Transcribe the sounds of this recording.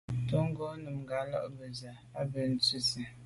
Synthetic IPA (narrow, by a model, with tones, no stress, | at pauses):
to˦ŋ˦ɡo˦nɨ˨m˨ɡa˨˦lɔ̰˦ʔbɨ˨za˨ | a˦bɨ˨n̩˦tu˦sɨ˨